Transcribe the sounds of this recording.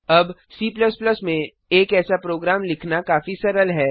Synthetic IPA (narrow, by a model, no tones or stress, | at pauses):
ɐbsiːplɐsplɐsmẽ | eːkɛːsapɾoːɡɾaːmlɪkʰnakaːfisɐɾəlɦɛː